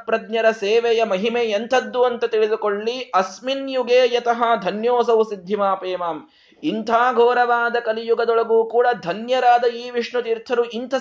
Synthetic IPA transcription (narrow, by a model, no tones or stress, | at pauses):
pɾɐd̪njɐɾɐseːʋɛjɐmɐɦimeent̪ʰɐd̪ːuɐnt̪ɐt̪iɭid̪ukoɭːiɐsminjuɡeːjɐt̪ɐɦɐd̪ʱɐnjoːsɐʋusid̪ʱːimaːpeːmaːm | int̪ʰaːɡʱoːɾɐʋaːd̪ɐkɐlijuɡɐd̪ɔɭɐɡuːkuːɽɐd̪ʱɐnjɐɾaːd̪ɐiːʋiʂɳut̪iːɾt̪ʰɐɾuint̪ʰɐ